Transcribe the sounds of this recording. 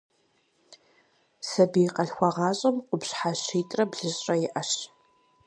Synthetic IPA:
sɐbiqɐɬxʷɑʁɑːɕʼɐmqʷʊpɕħaɕiːtʼrɐbɮɨɕʼrʼɐjɪʔɐɕ

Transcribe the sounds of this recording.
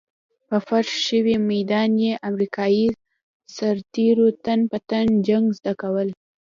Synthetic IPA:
pəfaʂʃəwimajd̪ɑnjeʔamɾikʰɑji | saɾt̪eɾot̪anpət̪and͡ʒaŋɡzd̪akawəl

